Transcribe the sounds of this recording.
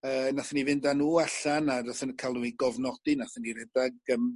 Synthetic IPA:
əːnaθənivɪndanuːaɬanarɔθənəkʰalˠnuiɡɔvnɔd̥inaθəniɾɛdaɡəm

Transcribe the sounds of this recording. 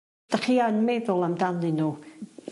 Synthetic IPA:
d̥aχiːanmɛðʊlˠamdalˠɨnuː

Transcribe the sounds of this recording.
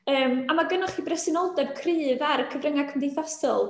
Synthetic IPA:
əːmamaɡənʊχibrɛsɪnɔlˠdɛb̥̚kʰriːvaɾkʰəvrəŋakʰəmdejθasɔlˠ

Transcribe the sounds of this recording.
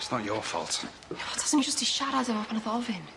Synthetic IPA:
ɪtsnətjɔfɔ̰lˠt | japʰɔ̥tʰḁsɪmd͡ʒəstiʃaɾadɛvɔpʰanaðəɔvɪn

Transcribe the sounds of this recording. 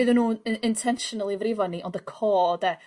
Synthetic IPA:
ɨðənuːnɪɪntʰɛnʃɔnəlˠivrɪvɔnːiʔɔndəkʰɔːdɛ

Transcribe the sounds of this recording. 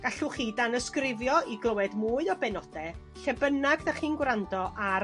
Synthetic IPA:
ɡ̥aɬʊχiːdanəskrɪvjɔiɡlˠəwɛdmuːɨɔbɛnɔd̥ɛ | ɬɛbənaɡðaχiːnɡwɾandɔʔa

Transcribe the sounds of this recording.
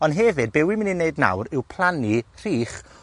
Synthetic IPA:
ɔndɦɛvɨd̚bɛwimɪninːeɨdna̰wrɪwpʰlˠanir̥iːχ

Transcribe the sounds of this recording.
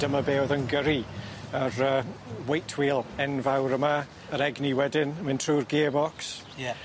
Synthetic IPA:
d̥əməbeːɔðənɡəɾiərəːwejtʰwiːlˠɛnvawɾəma | əɾɛɡniwɛdɪnmɪntʰruːrɡeːbɔks | jɛ

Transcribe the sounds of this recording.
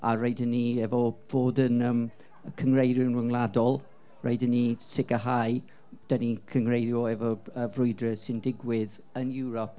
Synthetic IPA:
arejdənːiɛvɔv̥oːdənəm | kʰəŋrejɾjʊnrʊŋlˠadɔlˠ | reɨdənːisɪkəɦaj | d̥anikʰəŋrejɾjɔɛvɔəvrʊɨdrəsɪndɪɡwɪð | ənjuɾɔp̚

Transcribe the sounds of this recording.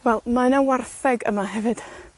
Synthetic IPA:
wɛlˠmanəwarθɛɡəmaɦɛvɨd̥

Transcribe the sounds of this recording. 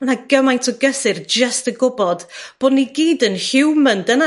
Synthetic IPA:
ənaɡəmajtʰɔɡəsɨrd͡ʒəstəɡʊbɔd̥b̥oːdniɡiːdənhɪwməndəna

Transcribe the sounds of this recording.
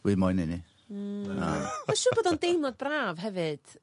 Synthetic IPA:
wimɔjnini | a̰ɛʃuːboːdɔndejnɔd̚braːvɦɛvɨd̥

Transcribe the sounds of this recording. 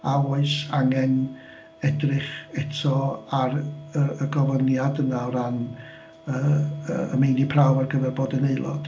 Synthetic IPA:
awɔɨsaŋɛn | ɛdrɨχɛtʰɔaɾəəɡɔvənjadənaɔɾan | əːəə̰mejnipʰrawvarɡəvɛrboːdəneɨlˠɔ̰d̥

